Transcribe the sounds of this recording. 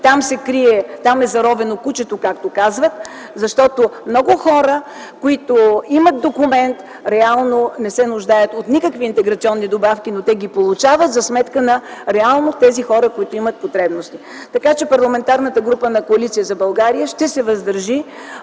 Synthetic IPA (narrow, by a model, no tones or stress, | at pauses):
t̪amsɛkɾiɛt̪amɛzɐɾɔvɛnokut͡ʃɛt̪okak̚t̪okazvət̪ | zɐʃt̪ɔt̪omnɔɡʊxɔɾə | koit̪oimət̪̚d̪okʊmɛnt̪ | ɾɛalˠnonɛsɛnʊʒd̪ajət̪ot̪nikəkviːnt̪ɛɡɾɐt̪siɔnːid̪obafkʲinot̪ɛɡʲipolˠut͡ʃavət̪zɐsmɛt̪kənɐɾɛalˠnot̪ɛzixɔɾəkoit̪oimɐt̪̚pot̪ɾɛbnost̪i | t̪ɐkat͡ʃɛpɐɾlˠɐmɛnt̪aɾnət̪əɡɾupənɐkoɐlit̪sijəzɐbɐlˠɡaɾijəʃt̪ɛsɛvɐzd̪ɐɾʒi